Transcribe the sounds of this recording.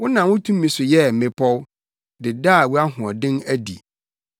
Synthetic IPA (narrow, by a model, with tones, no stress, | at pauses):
wʊ˦nã˨wʊ̃˦tʰũ˦mː˦ĩ˨sʊ˨jɛ˦m̩˨mɪ̃˨pʰɔ˦w | dɪ˨daː˦˨wu˦a˦ɦʊ̃˨ɔ˨dɪ̃˦næ˦dḭ˨